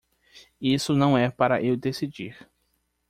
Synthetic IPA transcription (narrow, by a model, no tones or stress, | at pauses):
isʊnɐ̃w̃ɛpaɾɐ̰ʔewd̪esid͡ʒiɾ